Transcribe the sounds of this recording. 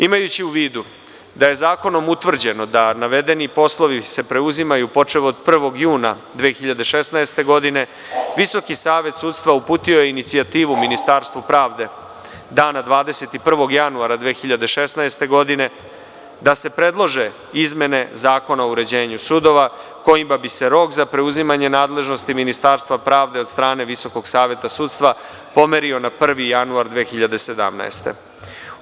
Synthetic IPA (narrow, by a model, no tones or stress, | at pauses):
imajut͡ɕiuʋiːd̪u | d̪aje̞zaːko̞no̞mut̪ʋr̩d͡ʑe̞no̞d̪anaʋe̞d̪e̞nipo̞slˠo̞ʋise̞pɾeuzimajupo̞t͡ʂeʋood̪̚pr̩ʋo̞ɡjuːna | d̪ʋeːxiʎad̪e̞ʃesnaest̪e̞ɡo̞d̪ine̞ | ʋiso̞kisaːʋe̞t̪suːt̪st̪ʋaupuːt̪io̞je̞init̪siat̪iːʋuminist̪aːɾst̪ʋupɾaːʋd̪e̞ | d̪aːnad̪ʋaːd̪e̞se̞t̪ipr̩ʋo̞ɡjanuaɾad̪ʋeːxiʎad̪e̞ʃesnaest̪e̞ɡo̞d̪ine̞ | d̪ase̞pɾe̞d̪lˠo̞ʒe̞ | izme̞ne̞zaːko̞naouɾe̞d͡ʑe̞ːɲusud̪o̞ʋa | ko̞jimabise̞ɾo̞kzapɾe̞uzimaɲe̞naːd̪le̞ʒno̞st̪iminist̪aːɾst̪ʋapɾaːʋd̪e̞o̞d̪st̪ɾaːne̞ʋiso̞ko̞ɡsaːʋje̞t̪asuːt̪st̪ʋa | po̞meɾio̞napr̩ʋijanuaɾd̪ʋeːxiʎad̪e̞sed̪a̰mna̰ḛst̪ḛ